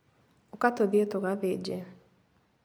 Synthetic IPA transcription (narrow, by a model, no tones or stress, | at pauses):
okatoðietoɣaβed͡ʒɛ